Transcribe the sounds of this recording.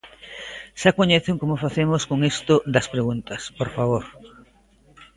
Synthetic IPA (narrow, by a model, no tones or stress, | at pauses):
ʃakoɲeθeŋkomofaθemoskoŋest̪od̪ɐspɾeɣunt̪ɐspoɾfaβoɾ